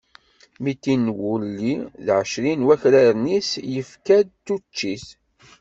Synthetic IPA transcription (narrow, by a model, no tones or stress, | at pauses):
mit̪ːinwulːiðʕəʃɾinwæçɾaɾnisjəfkæd̪̚t̪ːut͡ʃːiθ